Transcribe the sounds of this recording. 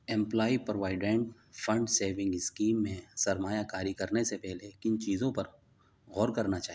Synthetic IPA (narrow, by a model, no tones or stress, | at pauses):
ɛ̃mplaːipɾoʋaːɪɖɛ̃ːɳʈ | fɐ̃ɳɖseːʋɪ̃ŋɡɪskiːmːẽsɐɾmaːjakaːɾikɐɾnesepɛɦlekɪnt͡ʃiːzõpɐɾ | ɣɔːɾkɐɾnat͡ʃaːɦi